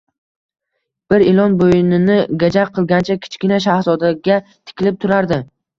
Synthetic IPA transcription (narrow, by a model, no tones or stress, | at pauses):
b̥ɪɾelˠɒnbojɪnɪnɪɡʲad͡ʒaqʰːɨlˠɡʲant͡ʃʰakʲʰɪ̥t͡ʃkʲɪnaʃ̬ahzɒd̪aɡʲat̪ʰɪ̥kʲʰɪlɪp̚t̪ʰʊɾaɾd̪ɪ